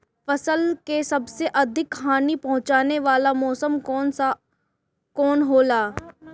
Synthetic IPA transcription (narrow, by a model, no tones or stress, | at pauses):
fɐsəlkesɐbseʔɐd̪ʱɪkɦaːnipɐ̃ɦʊ̃t͡ʃaːneʋaːlamɔːsəmɔːna | kɔːnɦoːlaː